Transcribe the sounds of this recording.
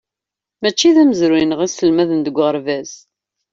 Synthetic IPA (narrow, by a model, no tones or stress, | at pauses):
mæt͡ʃːiðæməzɾijnʁisəlmæðənd̪əɡʷːʁəɾvæz